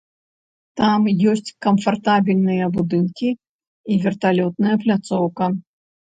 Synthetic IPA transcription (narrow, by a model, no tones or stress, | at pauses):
t̪amjɔsʲt͡sʲkɐmfart̪abʲilʲnɨjɐbud̪ɨnkʲi | ivʲɛrt̪alʲɔt̪̚nɐjɐplʲat̪sɔwkɐ